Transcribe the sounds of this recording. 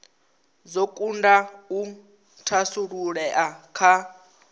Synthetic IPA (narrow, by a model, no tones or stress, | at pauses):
zokʼundau | tʰasuɺuɺɛʔakʰa